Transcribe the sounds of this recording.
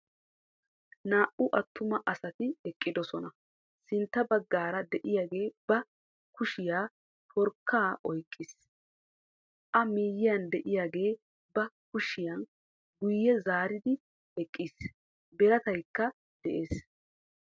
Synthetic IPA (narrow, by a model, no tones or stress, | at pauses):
naːʔʊʔɐt̪ʰːʊmɐʔɐsɐt̪ɪɛkʼːɪd̪ɔsɔnɐ | sɪnt̪ːɐbɐɡːaːɾɐd̪ɛʔɪjaːɡe̞ːbɐ | kʊʃɪjaː | fɔɾkʰːaːʔɔjkʼːis | ʔɐmiːjːɪjɐnd̪ɛʔɪjaːɡe̞ː | bɐ | kʊʃɪjɐn | ɡʊjːɛzaːɾɪd̪ɪ | ɛkʼːiːs | bɛɾɐt̪ɐjkːɐ | d̪̥ɛʔe̞ːs